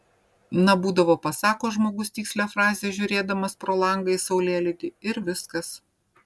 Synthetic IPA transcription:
nɐbuːd̪ɐʋoːpɐsɑːkoːʒmoːɡʊst̪ʲiːksʲlʲɛfɾɑːzʲeːʒʲʊɾʲeːd̪ɐmɐspɾoːlˠɐŋɡɐɪsɐʊlʲeːlʲɪd̪ʲɪɪɾʋʲɪskɐs

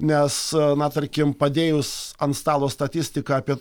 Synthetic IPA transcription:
nʲɛsnɐt̪ɐɾʲkʲɪmpɐd̪ʲeːjʊsɐnst̪ɑːlˠoːst̪ɐt̪ʲɪsʲt̪ʲɪkɑːpʲiɛ

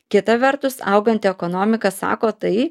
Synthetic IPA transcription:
kʲɪt̪ɐʋʲɛɾt̪ʊsɐ̰ʊɡɐnʲt̪ʲɪɛkonoːmʲɪkɐsɑ̰ːkoːt̪ɐɪ

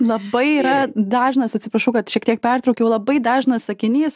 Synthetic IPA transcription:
lˠɐbɐɪiːɾɐd̪ɑːʒnɐsɐt̪ʲsʲɪpɾɐʃɐʊkɐt̪ʃʲiɛkt̪ʲiɛk̚pʲɛrt̪ɾoʊkʲɛʊlˠɐbɐɪd̪ɑːʒnɐssɐkʲɪnʲiːs

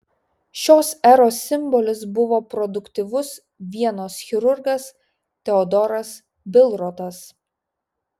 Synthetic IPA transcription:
ʃʲoːsɛɾoːsʲɪmˑbɔlʲɪs̬bʊʋoːpɾɔd̪ʊkt̪ʲɪʋʊs | ʋʲiɛnoːsxʲɪɾʊɾɡɐs | t̪ʲɛɔd̪ɔɾɐs | bʲɪlˠɾɔt̪ɐs

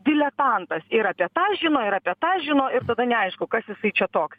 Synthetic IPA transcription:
d̪ʲɪlʲɛt̪ɐnt̪ɐsɪɾɐpʲiɛt̪ɑːʒʲɪnoːɪɾɐpʲiɛt̪ɑːʒʲɪnoːɪɾt̪ɐd̪ɐnʲɛɐɪʃkʊkɐsjɪsɐɪt͡ʃʲɛt̪oːks

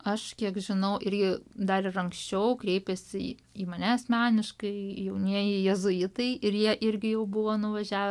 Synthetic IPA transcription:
ɐʃkʲiɛkʒʲɪnɐʊʔɪɾʲɡʲɪd̪ɐɾɪɾɐŋksʲt͡ʃʲɛʊkɾʲeɪpʲɛsʲɪ̰ | iːmɐnʲæɐsʲmʲæːnʲɪʃkɐɪjɛʊnʲiɛjɛjɛzʊɪt̪ɐɪɪrjiɛʔɪɾʲɡʲɪjɛʊbʊʋoːnʊʋɐʒʲæːʋ

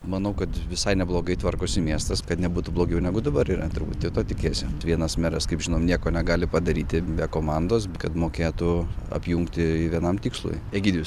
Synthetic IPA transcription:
mɐnɐʊkɐt̪ʋʲɪsɐɪnʲɛblˠoːɡɐɪt̪ʋɐrkoːsʲɪmʲiɛst̪ɐskɐt̪nʲɛbuːt̪ublˠoːɡʲɛʊnʲɛɡʊd̪ɐbɐɾiːɾɐt̪ʊɾbuːt̪t̪ʲɛt̪oːt̪ʲɪkʲeːsʲɪʋʲiɛnɐsmʲɛɾɐskɐɪpʒʲɪnoːmnʲiɛkoːnʲɛɡɑːlʲɪpɐd̪ɐɾʲiːt̪ʲɪbʲɛkoːmɑnd̪oːsbkɐt̪moːkʲeːt̪ʊɐ̰pʲjuŋkt̪ʲɪɪʋʲiɛnɐmt̪ʲiːkslˠʊ̰jeɡʲiːd̪ʲiʋʲs

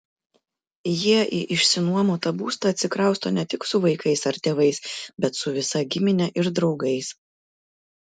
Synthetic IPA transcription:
jiɛʔiʔɪʃʲsʲɪnuɔmoːt̪ɐbuːst̪ɐːt̪ʲsʲɪkɾɐˑʊst̪onʲɛt̪ʲɪksʊʋɐɪkɐɪsɐɾt̪ʲeːʋɐɪsbʲɛt̪sʊʋʲɪsɐɡʲɪmʲɪnʲɛʔɪɾd̪ɾɒʊɡɐɪs

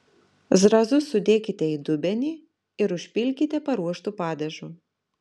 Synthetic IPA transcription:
zɾɐzʊsʊd̪ʲeːkʲɪt̪ʲɛiːd̪ʊbʲɛnʲiː | ɪɾʊʃʲpʲɪlʲkʲɪt̪ʲɛpɐɾuɔʃt̪uːpɑːd̪ʲɛʒuː

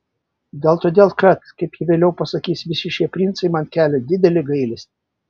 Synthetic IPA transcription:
d̪ʲeːlˠt̪oːd̪ʲeːlˠkɐt̪kɐɪpjiʋʲeːlʲɛʊpɐsɐkʲiːsʋʲɪsʲɪʃʲiɛpʲɾʲɪnt̪sɐɪmɐnkʲæːlʲɛd̪ʲɪd̪ʲɛlʲɪɡɐɪlʲɛsʲɪ

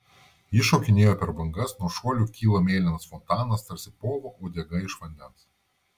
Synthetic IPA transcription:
iʃoːkʲɪnʲeːjoːpʲɛɾbɐŋɡɐsnuɔʃuɔlʲuːkʲiːlˠɐmʲeːlʲɪnɐsfɔnt̪ɑːnɐst̪ɐɾʲsʲɪpoːʋoːʔoːd̪ʲɛɡɐɪʃʋɐnʲd̪ʲɛns

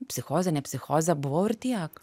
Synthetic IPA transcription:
psixoːzanɛpsixoːzabʋoɾt̪iak

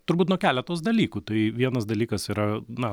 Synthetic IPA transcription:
t̪ʊrbuːt̪nuɔkʲæːlʲɛt̪oːsd̪ɐlʲiːkuːt̪ɐɪʋʲiɛnɐsd̪ɐlʲiːkɐsiːɾɐnɐ

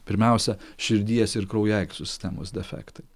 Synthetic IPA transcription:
pʲɪɾʲmʲɛˑʊsʲɛʃʲɪɾʲd̪ʲiɛsɪɾkɾɒʊjɛɪksʲʊsʲt̪ʲæmoːsd̪ʲɛfʲæ̰ːkt̪ɐɪ

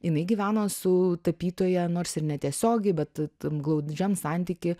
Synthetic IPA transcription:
jɪnɐɪɡʲiːʋʲæːnoːsʊt̪ɐpʲiːt̪oːjɛnoːrsɪɾnʲɛt̪ʲiɛsʲoːɡʲɛɪbʲɛt̪t̪ɐɡlˠɐʊd͡ʒʲɛmsɑnʲt̪ʲiːkʲɪ

